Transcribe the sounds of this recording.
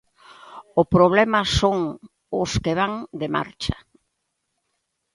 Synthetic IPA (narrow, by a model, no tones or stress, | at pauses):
ʊpɾoβ̞lɛmɐsoŋ | ʊskeβaŋd̪ema̰ɾt͡ʃɐ̥